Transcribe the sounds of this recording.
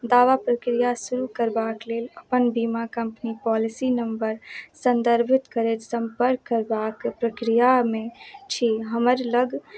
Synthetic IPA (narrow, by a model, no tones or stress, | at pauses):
d̪aːʋapɾəkɾijasuɾukəɾbakleləpənbimakəmpnipɔlisinəmbəɾsənd̪əɾbʱɪt̪kəɾɛt̪səmpəɾkːəɾbakpɾəkɾijamet͡ʃʰiɦəməɾləɡ